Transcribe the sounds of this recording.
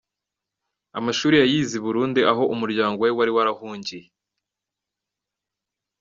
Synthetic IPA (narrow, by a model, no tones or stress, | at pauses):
a̰maʃuːɾijajiːziβuɾuːndiaɦo̞ʔumuɾɟaːŋɡoewaɾiwaɾahuːɲɟije